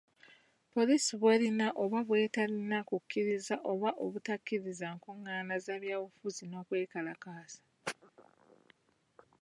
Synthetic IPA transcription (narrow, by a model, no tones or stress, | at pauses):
po̞liːsiβwelinaʔo̞βaβwe̞ːtalinakukʰːiɾizaʔo̞βaʔo̞βutakːiɾizaŋkoŋːaːnazaβjaːβufuzino̞ːkwe̞ːkalakaːsḁ